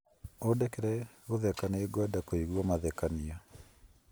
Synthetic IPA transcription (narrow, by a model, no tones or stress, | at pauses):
odɛkɛɾɛ | ɣoðɛkaneeɡwadakoiɣwɔmaðɛkania